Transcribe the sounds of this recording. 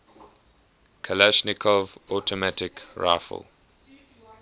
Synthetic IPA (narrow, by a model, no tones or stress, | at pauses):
kʰəlɛʃnɪkʰɔvɔtʰɔmatɪkɹa̰ɪfə̰l